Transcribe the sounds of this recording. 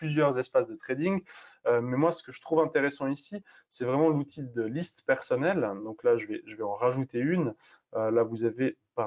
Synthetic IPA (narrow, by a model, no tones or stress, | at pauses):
plyzjœʁzɛspasd̪ət̪χed̪ĩŋɡømɛmwasə̥kəʒət̪χuvɛ̃t̪eʁɛsɑ̃isi | sɛvʁɛmɑ̃lut̪ʰid̪əlist̪pɛʁsɔnɛld̪ɔ̃klaʒəvɛʒəvɛɑ̃ʁaʒut̪eyn | ølavuzavepa